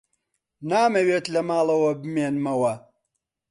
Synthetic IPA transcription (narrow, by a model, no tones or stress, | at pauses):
naːmɐweːt̪lɐmaːlˠɐwɐbɨmeːnmɐwɐ